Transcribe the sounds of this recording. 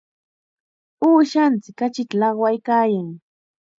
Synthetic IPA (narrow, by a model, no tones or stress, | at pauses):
uːʃant͡sɪkːat͡ʃɪt̪alɑχwajkaːjaŋ